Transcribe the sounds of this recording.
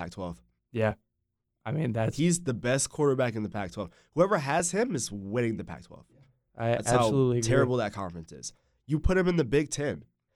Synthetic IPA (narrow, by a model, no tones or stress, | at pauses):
æ̰k̚tʰw̥ɛlˠv̥ | jæ | ʔaɪmĩnðæhizðɨbɛskʰw̥ɔɹɾə˞bækɨ̃nðəpʰæk̚tʰw̥ɛlˠv̥ | huɛvə˞ɨz̥ɪ̃mɨzwɛɾɪ̃ŋðɨpʰæ̰k̚tʰw̥ɛ̰lˠv̥ | ʔaɪætshaʊəlutlitʰɛɹɨbl̩ˠðət̚kʰɑ̃ɱfə˞ɨ̃nsɪ̰z̥ | jɨpʰʊɾ̚ɨ̃mɨ̃nðɨbɪɡ̚tʰɪ̃n